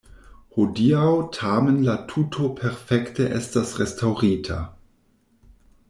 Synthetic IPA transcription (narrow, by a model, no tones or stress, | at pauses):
hodiawtʰaːmnlatʰutʰopʰɛʁfɛktəʔɛstasʁɛstʰawʁiːtʰa̰